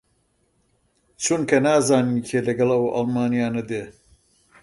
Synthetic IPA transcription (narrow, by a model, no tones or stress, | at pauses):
t͡ʃʰunkʰɐnaːzaːnincʰeːlɐɡɐlɐwɐ̰lmaːnijaːnɐd̪eː